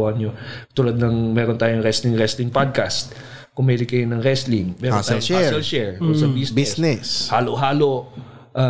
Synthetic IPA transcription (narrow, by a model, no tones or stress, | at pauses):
hɐnɲot̪uːlɐd̪̚nɐŋmɛːɾont̪aːjoŋɾɛslɪŋɾɛslɪŋpad̪̚kast̪̚ | kʊmɐlɪkːɐjonɐŋɾɛslɪŋmɛːɾnt̪joŋasɛlʃɛɹk̪ʊŋsɐbiːsbisnɛshaːloɦaːlo | ʔa